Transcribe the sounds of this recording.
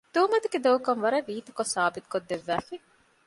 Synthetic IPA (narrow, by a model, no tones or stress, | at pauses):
d̪̥uːmɐt̪uɡed̪ɐukɐŋʋɐɾɐʋiːt̪u̥kosaːbit̪u̥kod̪ːeʋːæːfi